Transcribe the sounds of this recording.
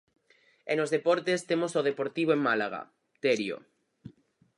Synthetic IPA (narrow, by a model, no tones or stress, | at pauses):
enozðepoɾt̪est̪emosoðepoɾt̪iβoeŋmalaɣ̞a̰ | t̪eɾjo̰